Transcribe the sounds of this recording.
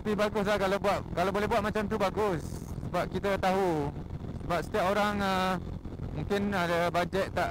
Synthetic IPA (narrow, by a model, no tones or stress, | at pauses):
t̪apibaɡʊs̬lahkalabuaʔ̚kalawbolɛɦbuat̪̚mat͡ʃamt̪ubaɡʊssəbap̚kit̪ət̪aɦusəbap̚sə̥t̪iapoɾaŋə | mũŋkɪnadabad͡ʒɛt̪̚ːaʔ